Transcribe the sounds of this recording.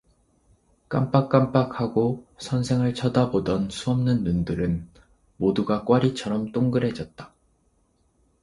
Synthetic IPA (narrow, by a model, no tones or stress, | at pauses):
k͈amp͈ak͈amp͈ak̚haɡosʰʌnsʰe̞ŋɯɭt͡ɕʰʌdabodʌnsʰuʌmnɯnːundɯɾɯn | moduɡak͈waɾit͡ɕʰʌɾʌmt͈oŋɡɯɾɦe̞d͡ʑʌt̚t͈ḁ